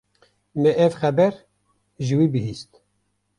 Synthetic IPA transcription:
mɛʔɛvxɛbɛɾ | ʒɨwiːbɨɦiːst̪

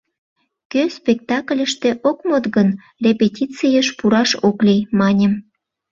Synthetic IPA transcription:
køspʲek̚t̪ɑklʲəʃt̪eʔokmot̪ɣən | repʲetʲit͡sijəʃpuɾɑʃoklʲimɑnʲəm

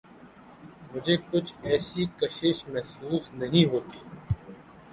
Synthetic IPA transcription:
mʊd͡ʒʱekʊt͡ʃʰɛːsikɐʃɪʃmɛɦsuːfnɐɦĩɦoːt̪iː

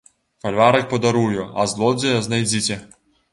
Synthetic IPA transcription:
fɐlʲvaɾɐk̚pɔd̪ɐɾujʊɐ̰zlˠɔd͡zʲejznɐjd͡zʲitʲɛ

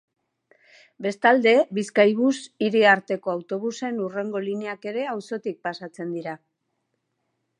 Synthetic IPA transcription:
be̞st̪ald̪e̞βiskajβ̞usiɾiaɾt̪e̞ko̞awt̪o̞β̞use̞nure̞ŋɡo̞lineake̞ɾe̞awso̞t̪ik̚pasat͡se̞nd̪iɾa

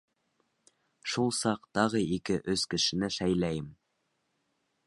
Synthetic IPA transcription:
ʃulˠsɑqt̪ɑʁɤikɘʔɵz̥kɘ̆ʃɘ̆nɘʃæjlæjɘm

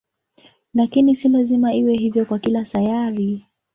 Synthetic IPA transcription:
lakinisilazimaiwɛɦivjɔkwakilasajaɾi

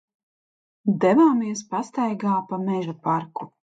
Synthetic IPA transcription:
d̪ɛvaːmiɛspast̪ajɡaːpamɛʒapaɾku

